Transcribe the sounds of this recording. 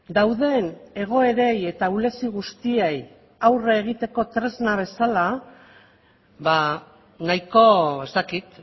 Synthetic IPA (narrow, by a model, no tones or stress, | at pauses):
d̪awðe̞ne̞ɣ̞o̞e̞ɾe̞je̞t̪aule̞siɣ̞ust̪iej | awreɣ̞it̪e̞ko̞t̪ɾe̞znaβ̞e̞sala | βa | najko̞e̞st̪akit̪